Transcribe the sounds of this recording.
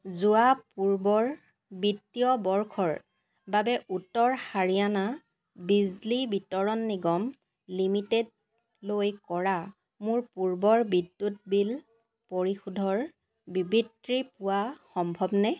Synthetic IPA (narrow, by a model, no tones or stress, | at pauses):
zuapuɹbɔɹ | bitːijɔbɔɹkʰɔɹ | babɛʔutːɔɹxaɹijana | bizlibitɔɹɔnːiɡɔm | limited | lojkɔɹa | mʊɹpuɹbɔɹbidːut̚bil | poɹixudʱɔɹ | bibitɹipʊwaxɔmbʱɔbnɛ